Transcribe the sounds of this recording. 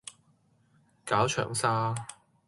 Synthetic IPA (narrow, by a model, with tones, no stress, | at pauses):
kaː˨˥wt͡ʃʰœ̰ː˨˩ŋsaː˥